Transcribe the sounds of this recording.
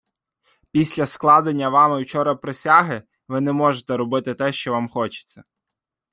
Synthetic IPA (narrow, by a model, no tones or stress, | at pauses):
pʲisʲlʲɐsklˠɑd̪enʲːɐʋɑmɪwt͡ʃɔɾɐpɾesʲaɦɪ | ʋɪnɛmɔʒet̪ɛɾɔbɪt̪ɪt̪ɛʃt͡ʃɔʋɑmxɔt͡ʃɪ̥t͡sʲːɐ